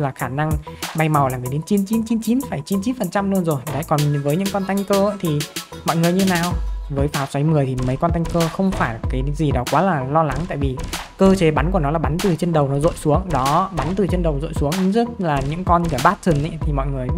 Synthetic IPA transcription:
laː˨˩xaː˧˩na˧ŋɓa˧jma˨˩wlaː˨˩miː˨˩ɗe˨˦nt͡ɕi˨˦nt͡ɕi˨˦nt͡ɕi˨˦nt͡ɕi˨˦nfaː˧˩jt͡ɕi˨˦nt͡ɕi˨˦nfə˨˩nt͡ɕa˧mlɨ˧ənzo˨˩jɗa̰ː˧˨jkɔ˨˩nvəː˨˦jɲɨ̰˧˥ŋkɔ˧nt̪a˧jŋ̟kəː˧əː˧˥t̪ʰi˨˩mɔ̰˧˨jŋɨ˨˩əjɲɨ˧e˧naː˨˩wvəː˨˦jfaː˨˦wswa˨˦jmɨ˨˩əjt̪ʰi˨˩mə˨˦jkɔ˧nt̪a˧jŋ̟kəː˧xə˧wŋ͡mfaː˧˩jkaː˨˦jzi˨˩ɗɔ˨˦kwaː˨˦laː˨˩lɔ˧la˨˦ŋt̪a̰ː˧˨jvi˨˩kəː˧t͡ɕe˨˦ɓa˨˦nku˧˩ənɔ˨˦laː˨˩ɓa˨˦nt̪ɨ˨˩t͡ɕe˧nɗə˨˩wnɔ˨˦zo̰˧˨jsu˨˦əŋɗɔ˨˦ɓa˨˦nt̪ɨ˨˩t͡ɕe˧nɗə˨˩wzo̰˧˨jsu˨˦ŋ˨˧˦zɨ˦˥t̚laː˨˩ɲɨ̰˧˥ŋkɔ˧n˧kaː˧˩ɓaː˦˥t̚t̪ʰɨ˨˩nʔə̰˨˧˦t̪ʰi˨˩mɔ̰˧˨jŋɨ˨˩əj

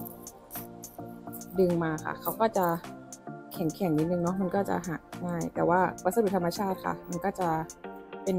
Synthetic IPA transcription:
dɯ˧ŋmaː˧xʰa̰˥˩kʰa˦˥wkɔː˥˩t͡ɕa˨˩ʔ | kʰɛ˨˩˦ŋkʰɛ˨˩˦ŋni˧˩nɯ˧ŋnɔ˦˥ma˧nkɔː˥˩t͡ɕa̰˨˩ɦa˨˩ŋaː˥˩jt̪ɛː˨˩waː˥˩pa˨˧˩sa˧du˨˩˨t̪ʰa˧mːa˧t͡ɕʰaː˥˩t̪̚kʰa̰˥˩ma˧nkɔː˥˩t͡ɕa˨˩pe˧n

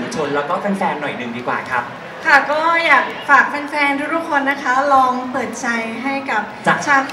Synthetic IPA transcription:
t͡ɕʰo˧nlɛː˦˥wkɔː˥˩fa˧nfɛː˧nːɔ˨˩jnɯ˨˩ŋdiː˧kwa̰ː˨˩kʰa˦˥p̚ | kʰa˥˩kɔː˥˩jaː˨˩k̚faː˨˩k̚fɛː˧nfɛː˧nt̪ʰu˦˥t̪ʰu˥kʰo˧nːa˦˥kʰa˦˥lɔː˧ŋpɤː˨˩t̪̚t͡ɕʰa˧jɦa˥˩jka˨˩p̚t͡ɕa˨˩t͡ɕʰa˦˥˩t̪̚

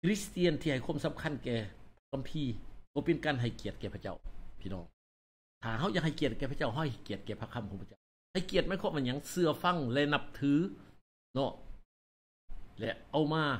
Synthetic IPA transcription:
kʰɾi˦˥st̪i˧˨ənt̪ʰiː˧˩a˨˩jkʰwa˧˥˨msa˨˦mkʰa˧˨nkɛː˨˩˧ka˧mpʰiː˧kɔː˧˩pe˧nkaː˧˨nɦa˨˩jki˨˩ət̪̚kɛːə˩pʰa˧˥t͡ɕa̰˧˩wp̪ʰiː˧˩nɔː˧˥˩ŋ | t̪ʰaː˨˩ɦa˧˩˨wja˧˩ŋɦa˨˩jki˨˩ət̪̚kɛː˨˩pʰa˧t͡ɕa˧˥˩wɦɔ˧˥˩jɦa˨˩jki˨ət̪̚kɛː˨˩pʰa˧˩kʰːa˧˨mkʰɔ˨˦pʰa˧˩t͡ɕa˥˩w | ha˧˩jki˨˩ət̪̚maː˧˥˨kʰɔ˧˥˨ma˧˩nɲa˧˥˩ŋsɯ˧ɐfa˧˨ŋlɛ˧na˧˩p̚t̪ʰɯː˨˦ | nɔ˧˩ | lɛ̰˧˩ʔa˧˩wmaː˧˩

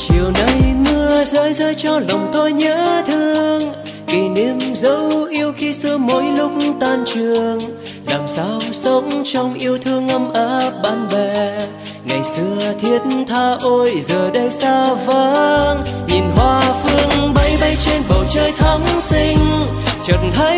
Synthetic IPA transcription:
t͡ɕi˨˩əwnə˨˧jmɨ˧əzəː˨˦jzəː˧jt͡ɕɔ˧lə˨˩wŋ͡mt̪o˧jɲə̰ː˧˥t̪ʰɨ˧əəŋki˨˩ne˧˥mzə˨˧˦wʔi˧əwxi˧sɨ˧əmo˧˦jlʊ˦˥k͡p̚t̪aː˧˩nt͡ɕɨ˨˩əəŋlaː˨˩msaː˧wsə˨˦wŋ͡mt͡ɕɔ˧wŋ͡mʔi˧əwt̪ʰɨ˧əŋʔə˧mʔəː˧˦p̚ɓaː˧nɓɛ˧˩ | ŋa˨˩jsɨ˧ət̪ʰi˦˥ət̚n̩t̪ʰaː˧ʔo˧jzəː˨˩ɗə˧jsaː˧wvə˧˦ | ɲi˨˩nɦwaː˧fɨ˧əŋɓə˨˦jɓə˧jt͡ɕe˧nɓə˨˩wt͡ɕəː˧jt̪ʰa˨˦ŋsi˧ŋ̟ | t͡ɕə˨˩nt̪ʰə˨˦

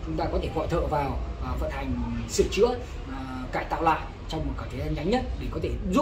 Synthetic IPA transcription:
t͡ɕʊ˨˦ŋ͡mt̪aː˧kɔ˨˦t̪ʰe˧˩vɔ̰˧˨t̪ʰə̰ː˧˨vaː˨˩wfə̰˧˨nt̪ʰa˨˩jŋ̟sɨ̰˧˩t͡ɕɨ̰˧˥ə | kaː˧˩jt̪a̰ː˧˨wla̰ː˧˨j | t͡ɕɔ˧wŋ͡mmo˨˩t̚kaː˧˩t̪ʰe˨˦zaː˧nɲa˨˦ŋ̟ɲə˦˥t̚ɗe˧˩kɔ˨˦t̪ʰe˧˩zu˦˥

